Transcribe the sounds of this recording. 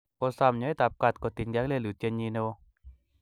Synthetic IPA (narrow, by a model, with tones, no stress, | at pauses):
kɔ˧sa˧˨mɲɔ˨˦ɛ˦t̪a˨p̚ka˨t̪̚kɔ˨t̪i˨nɡa˦kle˦˨lu˨t̪je˧˦ɲi˧nɛ˦wɔ˦